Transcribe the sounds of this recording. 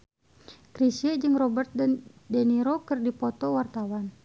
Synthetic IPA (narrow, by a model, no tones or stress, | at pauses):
kɾisiɛd͡ʒɨŋrɔbɛrt̪̚dɛndɛniɾɔkɨrdipɔt̪ɔwart̪awan